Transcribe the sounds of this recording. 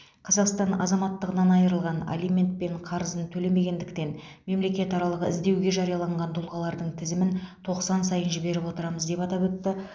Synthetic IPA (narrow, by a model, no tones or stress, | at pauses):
qʰɑzɑqst̪ɑnɑ̰zɑmɑt̪ːəʁənɑnɑjəɾəlˠʁɑna̰lʲimʲe̞nt̪̚pe̞ɴqʰɑɾəzənt̪ʰɵle̞me̞ɡʲe̞nd̪ɪkt̪e̞n | me̞mle̞kʲe̞t̪ɑɾɑlˠəʁəɪzd̪e̞wɡʲe̞ʒɑɾijɑlˠɑɴʁɑnt̪ʰʊlˠʁɑlˠɑɾd̪əɴt̪ʰɪzɪmɪnt̪ʰo̞qsɑnsɑjənʒɪbe̞ɾɪpwo̞t̪əɾɑməzd̪e̞pɑt̪ɑpɵt̪ːɪ